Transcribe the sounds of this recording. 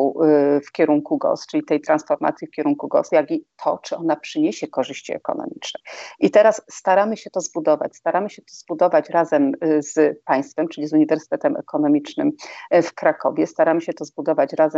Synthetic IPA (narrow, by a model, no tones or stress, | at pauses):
ufkʲɛɾuŋkuɡɔ̰st͡ʂɘlʲit̪ɛjt̪ɾansfɔɾma̰t̪sʲjifkʲɛɾuŋkuɡɔ̰sjaɡʲit̪ʰɔt͡ʂɘɔnapʂɘɲeɕɛkɔʐɘɕt͡ɕḭɛ̰kɔ̰nɔ̰mʲit͡ʂnɛʔit̪ɛɾasːt̪aɾamɘɕɛt̪ɔzbud̪ɔva̰t͡ɕst̪aɾamɘɕɛt̪ɔzbud̪ɔvat͡ɕɾazɛmz̥paj̃st̪fɛmt͡ʂɘlʲizuɲivɛɾsɘ̥t̪ɛt̪ɛmɛ̰kʰɔnɔmʲit͡ʂnɘ̰mfkɾakɔ̰vʲjɛst̪aɾamɘɕɛt̪ɔzbud̪ɔvat͡ɕɾazɛ